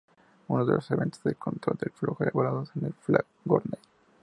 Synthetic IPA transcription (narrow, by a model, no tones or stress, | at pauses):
unoðe̞lʔo̞se̞βẽ̞̰nt̪ozðelkʰo̞nt̪ɾo̞ld̪e̞lfloxoðeβoɾaðosenelflakɡoɾne